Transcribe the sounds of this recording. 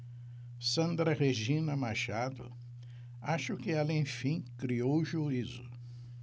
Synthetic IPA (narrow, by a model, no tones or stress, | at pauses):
sɐ̃nd̪ɾɐʁeʒĩnɐmaʃad̪ʊ̰ | aʃʊkɪɛlɐẽj̃fĩkɾiowʒuizʊ̰